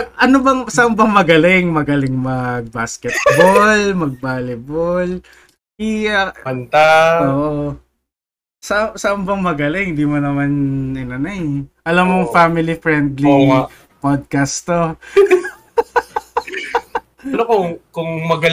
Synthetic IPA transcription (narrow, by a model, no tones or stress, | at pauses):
ʔɐnobɐŋsɐʔɐmbɐŋmɐɡɐlɪŋmɐɡɐlɪŋmɐɡ̚baskɛt̪̚bolmɐɡ̚baːlɪbol | ʔiɐɐnt̪aoːʔo | sɐʔsɐʔɐmbɐŋmɐɡɐlɪŋhɪnd̪imonɐmanɛnɐnajʔɐlamːoŋfamɪlifɹɛnd̪li | pod̪̚kɐst̪o | ɐnokʊkʊŋmɐɡɐ